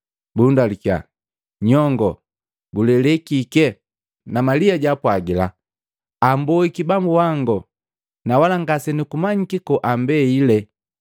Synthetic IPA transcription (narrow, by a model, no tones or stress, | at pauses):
bundalika̰ | ɲɔŋɡɔ | ɡulɛlɛkikɛ | namaliaɟapwaɡila̰ | ambɔikibambuwaŋɡɔ | nawalaŋɡasɛnikumaɲikikɔʔambɛilɛ